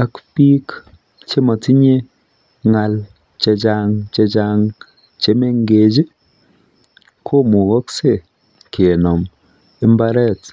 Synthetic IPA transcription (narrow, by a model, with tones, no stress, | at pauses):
a˦kpi˦k | t͡ʃe˦mɔ˨ti˦ɲe˦ | ŋa˨˧l | t͡ʃe˧t͡ʃa˦ŋt͡ʃe˧t͡ʃa˦ŋ | t͡ʃe˦me˦ŋɡe˨d͡ʒi˦ | kʰo˦mu˨kɔ˦kse˦˨ | ke˨nɔ˨m | i˦mba˦ɾɛ˦˨t